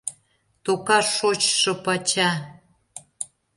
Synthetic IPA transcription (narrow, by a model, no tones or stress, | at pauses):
t̪okɑʃot͡ɕʃɤ̆pɑt͡ɕɑ